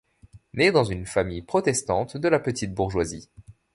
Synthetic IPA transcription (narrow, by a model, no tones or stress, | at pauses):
nɛd̪ɑ̃zynfamijpχɔt̪ɛst̪ɑ̃t̪d̪əlapət̪it̪̚buʁʒwazi